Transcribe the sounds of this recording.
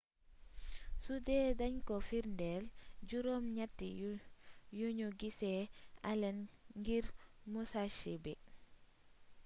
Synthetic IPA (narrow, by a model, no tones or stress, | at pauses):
sudɛdaɲkɔfiɾndɛld͡ʒuɾomɲatːi | joɲoɡisɛalɛnŋɡiɾmusaʃibɛ